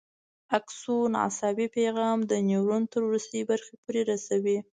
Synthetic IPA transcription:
aksun̰a̰sɑbipeɣɑmd̪ənewɾunt̪əɾwɾust̪əjbaɾxepoɾeɾasawi

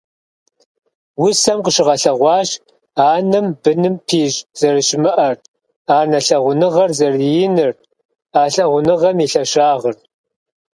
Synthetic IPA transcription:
wʊsɐmqəʃɪʁɐɬɐʁʷɑːɕ | aːnɨmbɨnɨmpʰiːʒz̥ɐrɨʃɪmɨʔɐr | aːnɐɬɐʁʷʊnɨʁɐrzɐrjɪnɨr | aːɬɐʁʷʊnɨʁɐmiɬɐʃaːʁər

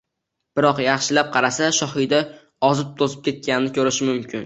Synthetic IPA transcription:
b̥ɪɾɒqjɑχʃɪlap̚qʰɑɾasaʃɒhɪjd̪a | ɒzɪp̚t̪ʰozɪp̚kʲʰe̞t̪̚kʲanɪnɪkʲʰɵɾɪʃɪmʊmkʲɪn

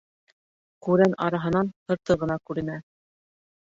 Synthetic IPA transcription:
kʉɾænɑɾɑɦɤ̆nɑnh̪ɤ̆ɾt̪ɤʁɤ̆nɑkʉɾɘ̆næ

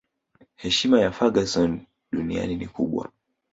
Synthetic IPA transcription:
hɛʃimajafaɡasɔn | ɗunia̰ninḭkuɓwa̰

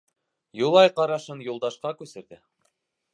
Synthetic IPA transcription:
julˠɑjqɑɾɑʃɤnjulˠd̪ɑʃqɑkʉsɘ̆ɾðɘ

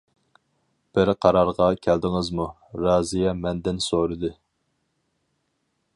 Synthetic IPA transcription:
b̥ɪɾqʰɑɾɑɾʁɑkʲʰɛld̪ɪŋɨzmu | ɾɑːzijɛmɛnd̪ɪnsoɾɨd̪ɨ

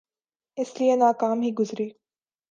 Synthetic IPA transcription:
ɪslijenaːkaːmɦiːɡʊzɾiː

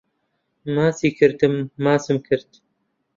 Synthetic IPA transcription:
maːsiːkʰɨɾt̪ɨmːaːsɨmkʰɨɾt̪

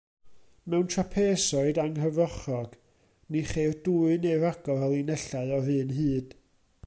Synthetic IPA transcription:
mɛwntʰrapʰeːsɔɨdaŋrəvɔχɔɡ̥ | niχeːrduːɨnejvaɡ̥ɔɛlˠinɛɬaɨɔrɨːnɦɨːd̥

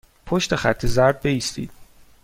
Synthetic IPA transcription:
pʰoʃt̪e̞χæt̪ʰːezæɾd̪̚be̞ist̪ḭːd̪̥

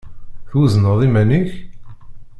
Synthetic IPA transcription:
θuznəðˤimæniç

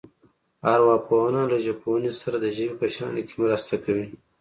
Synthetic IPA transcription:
aɾwɑponalaʒaponisaɾad̪əʒəbipəʃɑ̰nkʰemɾast̪akawi

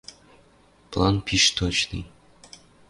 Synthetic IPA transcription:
plˠɑnpʲʰiʃt̪ot͡ɕnɨ̰j

